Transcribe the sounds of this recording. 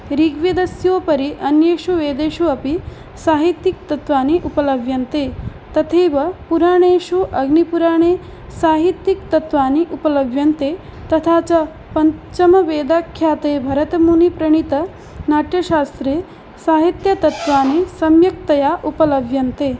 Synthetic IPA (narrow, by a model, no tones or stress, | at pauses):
ɾiːɡʋjed̪ɐsjoːpɐɾiʔɐnjeːʃuʋeːd̪eːʃuɐpi | saːɦit̪jik̚t̪ɐt̪ʋaːniʔupɐlɐʋjɐnt̪eː | t̪ɐt̪ʰeːʋɐpuɾaːɳeːʃuʔɐɡnipuɾaːɳ̃eː | saːɦit̪jikt̪ɐt̪ʋaːniʔupɐlɐʋjɐnt̪eː | t̪ɐt̪ʰaːt͡ʃɐ | pɐɲt͡ʃɐmɐʋeːd̪aːkʰːjaːt̪eːbʱɐɾɐt̪ɐmuːnipɾɐɳ̃it̪ɐ | naːʈjɐʃaːst̪ɾeː | saːɦit̪jɐt̪ɐt̪ʋaːnisɐmjɐk̚t̪ɐjaːʔupɐlɐʋjɐnt̪eː